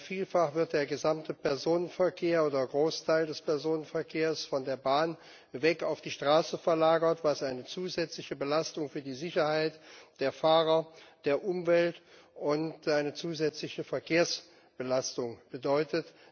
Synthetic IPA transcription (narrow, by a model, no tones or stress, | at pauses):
fiːlfaχv̥ɪɐt̚d̥eːɐɡəzamtʰəpʰɛɐzoːnənfɛɐkʰeːɐoːdɐɡʁoːstʰaɪldɛspɛɐzoːnənfɛɐkʰeːɐsfɔndeːɐbaːn | vɛkaʊfd̥iːʃtʁ̥aːsəfɛɐlaːɡɐtv̥asʔaɪnət͡suːzɛt͡slɪçəbəlastʊŋfyːɐdiːzɪçɐhaɪtd̥eːɐfaːʁɐd̥eːɐʔʊmvɛltʔʊntʔaɪnət͡suːzɛt͡slɪçəfɛɐkʰeːɐs | b̥əlastʊŋb̥ədɔʏtʰət